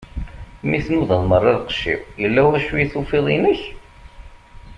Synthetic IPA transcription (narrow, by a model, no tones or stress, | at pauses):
miθnuðəðˤmərˤːɑɾqə̥ʃːḭwjəlːæwæʃujiθufiðˤinəç